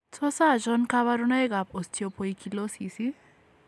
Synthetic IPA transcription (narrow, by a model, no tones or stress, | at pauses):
t͡sʰosad͡zʌnkaβaɾunʌjɡap̚ost̪ʰijopʰojkʰilosisi